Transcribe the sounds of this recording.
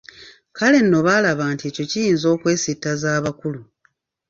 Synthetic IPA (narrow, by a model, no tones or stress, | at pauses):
kale̞nːo̞βalaβaːntieːco̞cijiːnzo̞ːkwe̞ːsitːazaːβakulu